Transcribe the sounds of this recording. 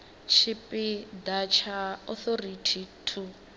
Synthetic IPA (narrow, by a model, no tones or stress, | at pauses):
t͡ʃʰipʼid̪at͡ʃʰaɔθɔritʰitʰu